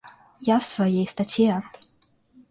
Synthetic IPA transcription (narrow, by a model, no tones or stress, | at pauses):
jafsvɐjejst̪ɐtʲjɛ